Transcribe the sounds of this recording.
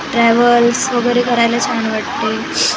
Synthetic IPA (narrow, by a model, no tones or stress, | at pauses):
ʈɾɛʋəlsʋəɡəɾekəɾajlat͡saɳʋaʈ̚t̪e